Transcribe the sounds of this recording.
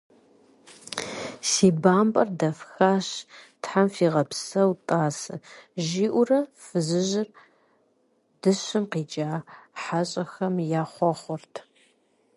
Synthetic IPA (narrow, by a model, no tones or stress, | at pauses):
siːbaːmpʼɐrdɐfxaːɕtħamfiːʁɐpsɐwtʼaːsɨ̰ʒiːʔʷʊrɐfɨzɨʑɪr | d̥ɨɕɨmqiːd͡ʒʼaːħaɕʼɐxɐmjaːχʷɔχʷʊrtʰ